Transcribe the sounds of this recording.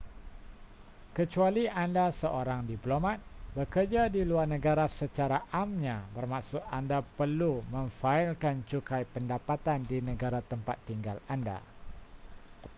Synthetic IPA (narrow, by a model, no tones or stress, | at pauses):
kət͡ʃualiandasəʔoɾaŋdiplomãt̪̚bəkərd͡ʒadiluarnə̃ɡaɾasət͡ʃaɾaʔamɲãbərmãʔsʊt̪̚andapərlumə̃ɱfaɪlkant͡ʃukajpəndapat̪andinə̃ɡaɾat̪əmpat̪ːiŋɡalanda̰